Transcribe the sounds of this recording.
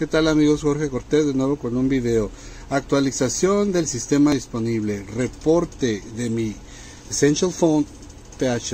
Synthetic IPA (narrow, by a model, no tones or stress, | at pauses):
ke̞t̪alamiɣo̞sxo̞ɾxeko̞ɾt̪ezðenwe̞βo̞ko̞numbiðe̞o̞ | ak̚t̪walisasjo̞nd̪e̞lsist̪e̞maðispo̞niβle̞re̞po̞ɾt̪eðe̞mi | senʃalfon | t̪eat͡ʃe